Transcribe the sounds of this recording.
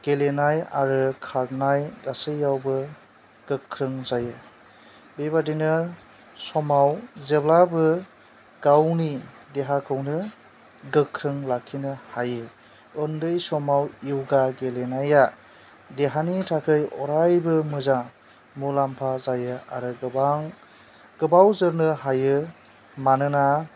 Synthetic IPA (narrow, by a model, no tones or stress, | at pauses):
ɡ̥elenaja̰ɾɯkʰaɾnajɡasɯjːawbɯ | ɡ̥ɯkʰːɾɯŋzajɯ | bebadinɯ | sɔmawzeblabɯ | ɡ̥awni | deɦakʰɯwnɯ | ɡɯkʰːɾɯŋlakʰːinɯhajɯ | ɯndɯjsɔmawiwɡaɡelenaja | deɦanitʰakʰɯjɔɾajbɯmɯza | mulampʰazajɯa̰ɾɯa | ɡ̥ɯbawzɯɾnɯɦajɯ | manɯna